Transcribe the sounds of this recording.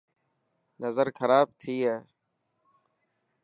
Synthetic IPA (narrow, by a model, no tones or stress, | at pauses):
nəzəɾkʰəɾaːb̚t̪ʰiːɦɛː